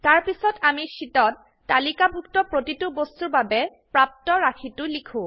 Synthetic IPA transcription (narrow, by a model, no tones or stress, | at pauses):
taɹpisɔtamisitɔtː | alikabʱuk̚tɔpɹotitubostuɹbabɛ | pɹap̚tɔɹakʰitʊlikʰũ